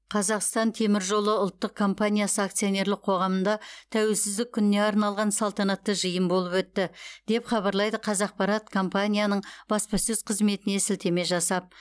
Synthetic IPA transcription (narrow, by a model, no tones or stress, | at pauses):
qʰɑzɑqst̪ɑnt̪ʰe̞mɪɾʒo̞lˠəʊlˠt̪ːəq̚kʰːo̞mpanʲijasəakt̪sijo̞ne̞ɾlɪk̚qʰo̞ʁɑmənd̪ɑt̪ʰæwe̞lsɪzd̪ɪkʲʰːʏnɪne̞ɑɾnɑlˠʁɑnsɑlˠt̪ɑnɑt̪ːəʒəjəmbo̞lˠəpwɵt̪ːɪd̪̥e̞pχɑβɑɾlˠɑjd̪əqʰɑzɑq̚pɑɾɑt̪kʰo̞mpanʲijanəɴb̥ɑspɑsɵz̥qʰəzme̞t̪ɪne̞sɪlt̪e̞me̞ʒɑsɑp̚